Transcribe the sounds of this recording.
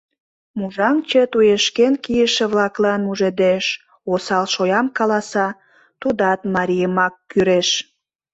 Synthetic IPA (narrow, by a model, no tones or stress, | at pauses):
muʒɑmt͡ɕət̪ujeʃkenkijəʃĕβlɑklɑnmuʒed̪eʃ | osɑlʃojɑmkɑlɑsɑ | t̪ud̪ɑt̪mɑɾʲijəmɑkːyɾeʃ